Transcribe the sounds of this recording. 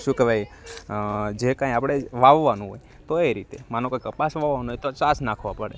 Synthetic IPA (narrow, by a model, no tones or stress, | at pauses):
ʃũkebʱaj | d͡ʒekãjapɽ̃eʋaʋːanũɦo̰j | t̪oeɾit̪emanõkajkəpasʋaʋanũɦojt̪ot͡ʃasnakʰʋapəɽḛ